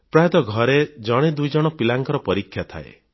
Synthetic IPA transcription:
pɾajɔd̪ɔɡʱɔɾed͡ʒɔɽ̃ed̪ujd͡ʒɔɽ̃ɔpilaŋkɔɾɔpɔɾikʰːjat̪ʰa̰ḛ

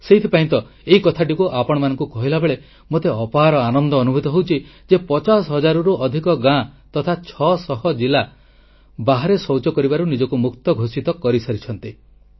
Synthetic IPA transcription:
seit̪ʰipaĩnt̪ɔ | eikɔt̪ʰaʈikuʔapɔɽ̃ɔmanɔŋkukɔɦilabeɭe | mot̪eɔpaɦaɾɔanɔnd̪ɔːnubʱut̪ɔɦowt͡ʃʰid͡ʒepɔt͡ʃasɔɦɔd͡ʒaɾuɾuʔɔd̪ʱikɔɡãt̪ɔt̪ʰat͡ʃʰɔsɔɦɔd͡ʒila | baɦaɾesɔwt͡ʃɔkɔɾibaɾunid͡ʒɔkumukt̪ɔɡʱosit̪ɔkɔɾisɔɾit͡ʃʰɔnt̪i

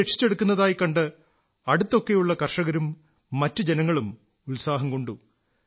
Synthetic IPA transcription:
eʈʂi̥t͡ɕːe̞ɽukːunːɐðaːjikɐɳɖɨ | ɐɽut̪ːo̞kːe̞juɭːɐkɐrʂɐɣɐɾumː | ɐtːɨd͡ʑenɐŋːɐɭum | ulsaːɦɐmko̞ɳɖu

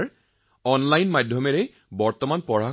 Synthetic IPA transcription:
ɹ | ɔnlajnmadʱjɔmɛɹɛ | bɔɹt̪ɔmanpɔɹa

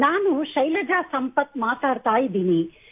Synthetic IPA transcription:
naːnuʃɐjlɐd̪asɐmpɐt̪ːmaːt̪aːɽt̪aːjid̪iːni

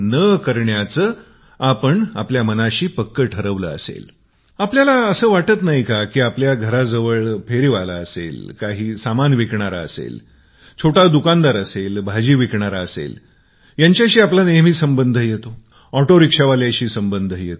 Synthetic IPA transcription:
nəkəɾɳjat͡səː | apəɳa̰pljamənaɕiːpəkːəʈʰəɾəʋləəsḛl | apljalaəsəːʋaʈət̪naɦikakiːapljaɡʱəɾad͡zəʋəɭpʰeɾiʋala̰əsḛlkaɦiːsamanʋikɳaɾa̰əsḛl | t͡ɕʰoʈad̪ukand̪aɾəselbʱad͡ʑiːʋikɳaɾaəsḛl | jaɲt͡ɕjaɕiːaplanemiːsəmbənd̪ʱəjet̪o | ɔʈoɾikʂaʋaljaɕiːsəmbənd̪ʱəjet̪o

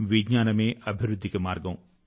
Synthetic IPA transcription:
ʋiɡɲaːnɐmeːʔɐbʱiɾud̪ʱːikemaːɾɡɐw̃

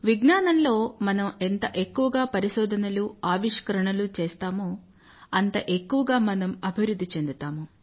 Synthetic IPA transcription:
ʋiɡnaːnɐmlo̞ːmɐnɐme̞nt̪ɐʔe̞kːuʋɐɡaːpɐɾiʃɔːd̪ʱɐnɐluaːʋiʂkɐɾɐɳɐlut͡ʃeːst̪aːmu | ɐnt̪ɐʔe̞kːuʋɐɡaːmɐnɐmɐbʱiʋɾud̪ːit͡ʃe̞nd̪ut̪aːmu

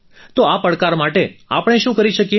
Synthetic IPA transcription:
t̪oapəɽkaɾmaʈeapɽ̃eʃũkəɾiʃəkje

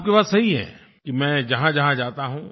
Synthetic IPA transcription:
p̚kepaːzsɐɦiɦɛ̰̃ː | kimɛ̃ːd͡ʒɐɦãd͡ʒɐɦãd͡ʒaːt̪aɦũː

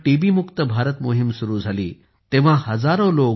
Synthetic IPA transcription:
ʈiʋiːmukt̪əbʱaɾət̪moɦimsuɾuːd͡zʱalḭː | t̪ẽʋ̤ãhəd͡zaɾolo

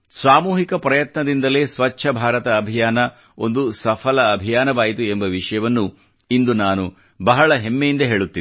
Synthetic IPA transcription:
saːmuːɦikɐpɾɐjɐt̪nɐd̪ind̪ɐle̞ːsʋɐt͡ʃːʰɐbʱaːɾɐt̪ɐːbʱijaːnɐ | o̞̰nd̪usɐpʰɐlɐːbʱijaːnɐʋaːjit̪uembɐʋiʂɐjɐʋɐnːu | ind̪unaːnu | bɐɦɐɭɐɦemːejind̪ɐɦe̞ːɭut̪ːii

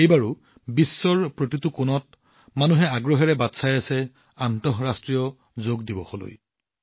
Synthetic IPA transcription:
ejbaɹu | bisːɔɹpɹotitʊkʊnɔt̚ | manuɦɛaɡɹɔɦɛɹɛbatsajasɛ | antɔɦɹastɹijɔ | zoɡdibɔ̰xolo̰j

